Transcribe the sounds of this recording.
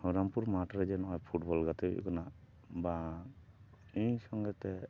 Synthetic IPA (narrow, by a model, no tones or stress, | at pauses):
hɔɾampuɾmaʈɔɾɛd͡ʒɛnɔɔjpʰuʈbɔlɡat̪ɛ̰kɔna | ba | ijsɔŋɡɛt̪ɛ